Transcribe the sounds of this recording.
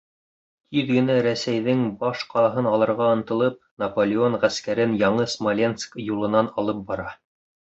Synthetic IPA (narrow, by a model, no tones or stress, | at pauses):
t̪ʰiðɡɘ̆næɾæsæjðɘŋbɑʃqɑlˠɑɦɤnɑlˠɤ̆ɾʁɑɤ̆nt̪ɤ̆lˠɤp̚nɐpolʲɪoɴʁæskæɾɘnjɑɴɤsmolʲenskjulˠɤ̆nɑnɑlˠɤp̚bɑɾɑ